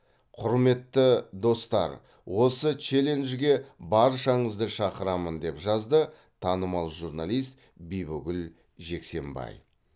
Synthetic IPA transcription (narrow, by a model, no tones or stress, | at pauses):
qʰʊɾme̞t̪ːəd̪o̞st̪ɑ̰ɾ | wo̞sət͡ʃe̞lenʒɡʲe̞bɑɾʃɑɴəzd̪əʃɑqəɾɑmənd̪e̞pʒɑzd̪ə | t̪ʰɑnəmɑlˠʒuɾnalˠijst̪ | bijbʊɡʲɪl | ʒe̞kse̞mbɑ̰j